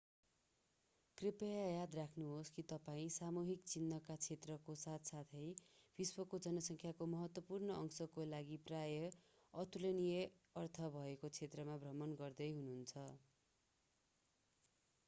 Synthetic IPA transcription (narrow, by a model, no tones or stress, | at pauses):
kripʌjajad̪rakʰnuɦoskit̪ʌpaĩsamuɦikt͡sinːʌkat͡sʰet̪rʌkosat̪ʰsat̪ʰʌjb̥iswʌkod͡zʌnʌsʌŋkʰjakomʌɦʌt̪wʌpurnʌʔʌŋsʌkolaɡiprajʌ | ʌt̪ulʌnije | ʌrt̪ʰʌbʱʌekot͡sʰet̪rʌmabʱrʌmʌnɡʌrd̪ʌjɦununt͡sʰʌ